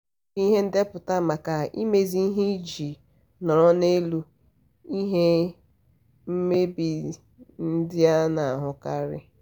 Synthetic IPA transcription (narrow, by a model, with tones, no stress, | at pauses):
i˦ɦe˦n̩˦de˦pʊ˨ta˦ma˨ka˨i˦me˦zi˦ɦi˦d͡ʒi˨ | nɔ˨ɾɔ˦ne˦lu˦ | i˦ɦe˦ | m̩˦me˦bi˨ | n̩˦dɪ˦a˦na˨ɦʊ˨ka˦ɾɪ̰˦